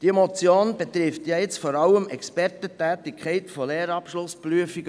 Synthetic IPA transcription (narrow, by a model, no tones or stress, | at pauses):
d̥imɔt͡sjoːnb̥et̪ɾɪft̪jɑɪt͡stfɔɾɑlːəmɛkspɛrtətɛːtɪkχɛɪtfoleːɾɑpʃlʊspɾyəfiɡə